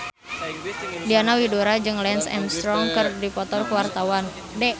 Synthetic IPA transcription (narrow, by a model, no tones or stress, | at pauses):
dianawidoɾad͡ʒɨŋlɛnsɛ̰mst̪ɾɔŋkərdipɔt̪ɔrkəwart̪awan | dɛ